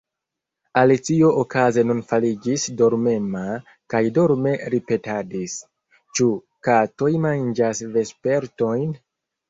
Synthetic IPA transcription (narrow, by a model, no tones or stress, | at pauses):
alit͡sio̞ʔokaze̞nunfalid͡ʒisdoɾme̞ma | kajdoɾme̞ɾipe̞tadis | t͡ʃu | kato̞jmand͡ʒasve̞spe̞ɾto̞jn